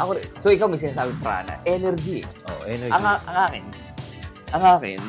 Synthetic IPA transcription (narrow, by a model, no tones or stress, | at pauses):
ʔɐkoɾɪsoʔɪkawmɐɡs̬ɪnaːs̬aːbɪŋpɾa̰ːnɐ̰ʔɛnɛɾd͡ʒḭo̰ɛɐŋaʔɐŋaːkɪn | ʔɐŋaːkɪ̰n